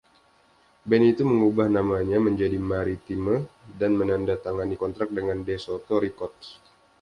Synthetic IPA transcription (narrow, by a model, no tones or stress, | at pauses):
bɛnit̪uməŋubahnamaɲaməɲd͡ʒadimaɾit̪imədanmənandat̪aŋanikɔnt̪ɾak̚dəŋandesɔt̪ɔɾikɔt̪̚